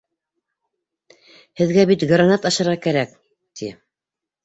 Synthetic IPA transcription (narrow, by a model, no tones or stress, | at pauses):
hɘ̆ðɡæbit̪ɡranɑt̪ɑʃɤ̆ɾʁɑkæɾæk | t̪ʰi